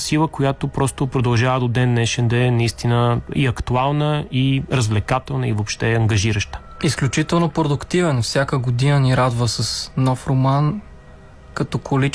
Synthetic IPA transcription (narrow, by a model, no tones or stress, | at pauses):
silˠəkojat̪opɾɔst̪opɾod̪ɐlˠʒavəd̪od̪ɛnːɛʃɛnd̪ɐɛnɐist̪inəiɐkt̪ualˠnəiɾəzvlɛkat̪ɛlˠnəivopʃt̪ɛɐŋɡɐʒiɾəʃt̪ə̥isklʲut͡ʃit̪ɛlˠnopɾod̪ʊkt̪ivɛnfsʲjakəɡʊd̪inəniɾad̪vəsəsnɔfɾoman | kɐt̪ɔkoli